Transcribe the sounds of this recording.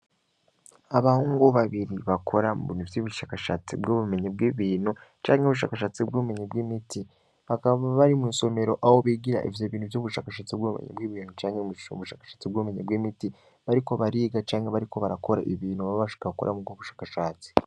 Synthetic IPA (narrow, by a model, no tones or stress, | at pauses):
aβahuŋɡoβaβiɾiβakʰo̞ɾamṵβḭːnuvjiβuʃaːkaʃat͡sḭbɡoβume̞ɲeb̚ɡiːβiːnhut͡ʃaːŋɡeuβuʃa̰ːkaʃat͡sibɡuːβume̞ɲebɡiːmiti | hakaββaβaɾimuːnso̞me̞ɾo̞ʔaho̞βiːɡiɾa̰ʔḭvjoβiːnuvjoβuʃaːkaʃaːt͡sibɡumḛɲḛbɡiːβiːnhut͡ʃaːŋheṵβuʃaːkḁʃḁːt͡sibɡume̞ɲḛbɡiːmiti | βaɾiko̞βaɾiːɡat͡ʃaːŋheβaɾiko̞βaɾakʰo̞ɾaʔiβiːnhuβaββaʃi̥kaɡuko̰ɾa̰muɡoːβuʃḁːkaʃaːt͡si̥